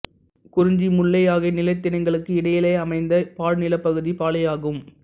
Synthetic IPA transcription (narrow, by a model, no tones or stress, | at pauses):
kʊɾɪɲd͡ʒimʊɭːɐjaːɣɐɪnɪlɐɪt̪ːɪnɐɪŋɡɐɭɯkːɯɪɽɐjɪleɐmɐɪnd̪ɐpaːɻnɪlɐpːɐɣɯðipaːlɐjaːɣɯm